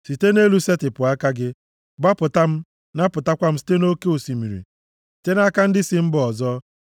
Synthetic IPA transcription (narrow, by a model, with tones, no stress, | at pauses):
si˨te˦ne˦lu˦se˦tɪ˨pʊ˨a˦ka˦ɡɪ˦ | ba˦pʊ˨ta˦m̩˦ | na˦pʊ˨ta˦kʷa˦m̩˦si̥˨te˦no˦ke˦u˨si˨mi˨ɾḭ˨ | si̥˨te˦na˦ka˦n̩˦dɪ˦sɪ˦m̩˦bɔ˨zɔ˦